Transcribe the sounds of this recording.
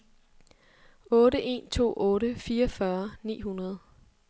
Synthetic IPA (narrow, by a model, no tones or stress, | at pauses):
ɔ̽ːɾəʔe̝̰ːnt͡sʰo̝̰ːʔɔ̽ːɾəfiːɐfɶɐnḭːɦunɐð̞ˠ